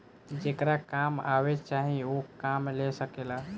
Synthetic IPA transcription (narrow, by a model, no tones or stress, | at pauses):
d͡ʒekɾakama̰βet͡ʃaɦiokamlesəkela